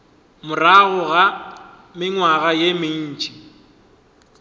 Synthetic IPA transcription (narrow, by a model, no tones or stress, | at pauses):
mʊraɣʊɣa | mɪŋwaɣajemɪn̩t͡ʃʼi̥